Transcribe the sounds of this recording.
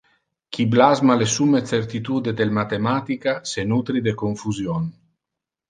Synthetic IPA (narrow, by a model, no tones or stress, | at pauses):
kʰiblazmalesumesert̪it̪uːd̪ed̪elmat̪emaːt̪ikasenut̪ɾid̪ekoɱfuzjon